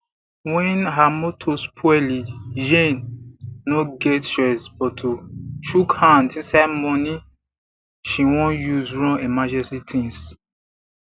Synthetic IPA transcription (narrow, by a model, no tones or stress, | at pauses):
wɛ̃nɦamotʰospʰɔɛlijẽnː | oɡɛtsɹɛsbɔtʰoʃukhãndĩnsaɪdmɔ̃ni | ʃiwɔ̃njuzɹɔ̃nemad͡ʒɛ̃sitʰĩns